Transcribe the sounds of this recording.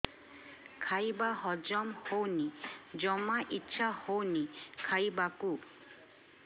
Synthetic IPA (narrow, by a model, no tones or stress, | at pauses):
kʰajbaɦɔd͡ʒɔmhownid͡ʒɔmaʔitːʃʰahownikʰajbaku